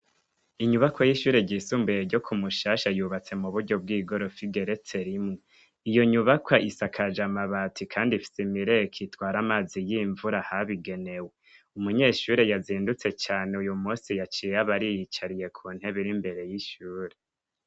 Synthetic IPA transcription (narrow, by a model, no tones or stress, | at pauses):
iɲuβakwajiʃuːɾe̞ɟiːsuːmbejeɾɟo̞kʰumuʃaːʃajuːβat͡se̞muβuɾɟo̞b̚ɡiːɡo̞ɾo̞fiɡe̞ɾe̞t͡se̞ɾimŋe | ijo̞ɲuβakʰwaʔisakʰad͡ʒamaβatʰikʰaːndifi̥semiɾejekʰitwaːɾamaːzijiːɱvuɾahaβiɡe̞ne̞we | umuɲeːʃuːɾe̞jaziːndut͡se̞t͡ʃaːneujumuːsijat͡ʃieaβaɾijit͡ʃaɾije̞kʰuːn̥he̞βiɾimbe̞ɾe̞jiʃuːɾe